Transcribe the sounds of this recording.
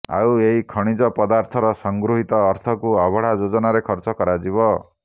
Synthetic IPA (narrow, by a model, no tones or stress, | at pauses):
a̰weɦikʰɔɽ̃id͡ʒɔpɔd̪aɾt̪ʰɔɾɔsɔŋɡɾuɦit̪ɔːɾt̪ʰɔkuabʱɔɽ̤ad͡ʒod͡ʒɔnaɾekʰɔɾt͡ʃɔkɔɾad͡ʒibɔ